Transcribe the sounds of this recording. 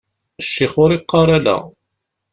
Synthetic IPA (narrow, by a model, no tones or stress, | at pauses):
əʃːɪχʊɾiqːɑɾˤalæ̰